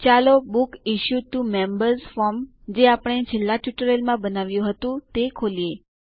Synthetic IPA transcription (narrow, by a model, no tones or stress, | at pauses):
t͡ʃalobukiʃut̪umembəɾzfɔɾm | d͡ʒeapəɳ̃et͡ʃʰelːaʈjuʈəɾelmãbənaʋjũɦət̪ũt̪ekʰolie